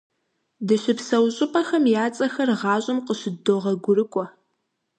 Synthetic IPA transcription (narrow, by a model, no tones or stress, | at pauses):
dɨɕɪpsɐwɕʼɪpʼɐxɐmjaːt͡sʼɐxɐrʁɑːɕʼɪmqəɕɪdoʁɐɡʷʊɾɨkʷʼɔ